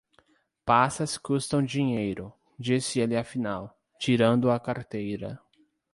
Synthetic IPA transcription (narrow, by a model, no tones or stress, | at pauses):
pasɐskust̪ɐ̃w̃d͡ʒiɲejɾʊ | d͡ʒisɪelɪafinaw | t͡ʃiɾɐ̃nd̪ʊɐkaɾt̪ejɾɐ̰